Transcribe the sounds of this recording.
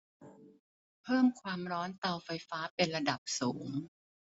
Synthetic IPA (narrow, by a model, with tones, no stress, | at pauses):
pʰɤː˥˩mkʰwaː˧mɾɔː˦˥nt̪a˧wfa˧jfaː˦˥pe˧nɾa˧da˨˩p̚suː˩˦ŋ